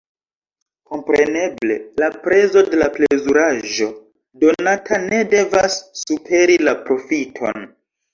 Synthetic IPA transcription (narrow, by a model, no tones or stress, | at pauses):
ko̞mpɾe̞ne̞ble̞̰lapɾe̞zo̞de̞laplezuɾaʒo̞ | do̞natane̞de̞vasːupʰe̞ɾilapɾo̞fitʰo̞̰n